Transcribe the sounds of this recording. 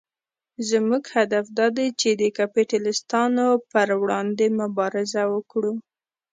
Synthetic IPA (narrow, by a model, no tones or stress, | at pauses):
zmuɡhad̪afd̪ɑd̪et͡ʃed̪əkapiʈalɪst̪ɑnopəɾwɽɑnd̪emʊbɑɾɪzawəkɽu